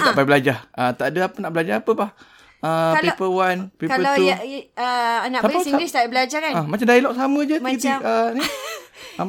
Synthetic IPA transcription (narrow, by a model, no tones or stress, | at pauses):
t̪aʔbajbəlad͡ʒahət̪aʔdəapənaʔbəlad͡ʒaapəpah | əpipəwanpikaəauənaʔsaasiɡlɪst̪abəlad͡ʒakanamat͡ʃamdailɔʔsamə̃d͡ʒəit̪iəni | a